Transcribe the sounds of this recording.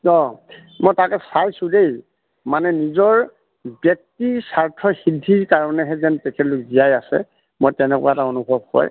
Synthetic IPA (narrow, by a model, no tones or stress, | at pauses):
ɔ | mojtakɛsajsʊ̃dej | manɛnizɔɹ | bjɔk̚tisaɹtʰɔhidʱiɹkaɹɔnɛɦɛzɛntɛkʰɛtlʊkzijajasɛ̰ | mojtɛnɛkʊ̰waɛtaonubʱɔb̚kɔ̰j